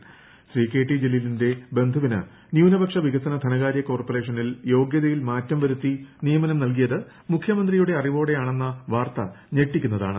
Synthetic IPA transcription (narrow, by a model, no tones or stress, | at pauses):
sriːke̞ːʈːid͡ʑilːilinde̞be̞nd̪ʱɐʋinɨ̰ | njuːnɐbɐkʂɐʋiɣɐsɐnɐt̪ʰɐnɐɣaːɾjɐko̞ːrpɐre̞ːʂɐniljo̞ːɡjɐðɐjilmaːtːɐmʋɐɾut̪ːinijɐmɐnɐmnɐlk̬ijɐðɨ | mukʰjɐmɐnd̪rijuɽe̞ɐriʋo̞ːɽe̞jaːɳe̞nːɐʋaːrt̪ɐ | ɲeʈːikʲːunːɐða̰ːɳɨ